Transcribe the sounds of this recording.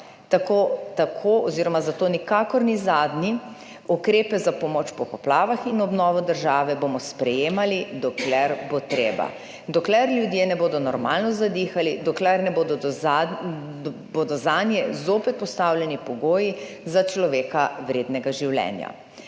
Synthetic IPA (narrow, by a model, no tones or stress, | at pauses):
t̪akoːt̪akʰoɔziɾɔmazat̪oːnikakɔɾnizaːd̪ni | ukɾeːpɛzapɔmoːt͡ʃpɔpɔplaːʋaxinɔbnɔːʋɔd̪əɾʒaːʋɛbomɔspɾɛjeːmalid̪ɔklɛɾbot̪ɾeːba̰ | d̪ɔklɛɾljud̪jenɛboːd̪ɔnɔɾma̰lnɔzad̪ixalid̪ɔklɛɾnɛboːd̪ɔd̪ɔ | boːd̪ɔzanjɛzoːpɛt̪̚pɔst̪awljɛnipɔɡoːji | zat͡ʃlɔʋeːkawɾeːd̪nɛɡaʒiwlɛ̰ːnja̰